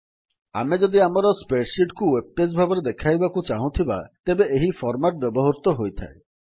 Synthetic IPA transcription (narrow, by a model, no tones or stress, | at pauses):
a̰med͡ʒɔd̪iamɔɾɔspeʈsiʈkuweb̚pɾes̬bʱabɔɾed̪ekʰajbakut͡ʃaɦũt̪ʰiba̰t̪ebeʔeɦifʰɔɾmaʈ̚bɔbɔɦoɾt̪ɔɦojt̪ʰa̰e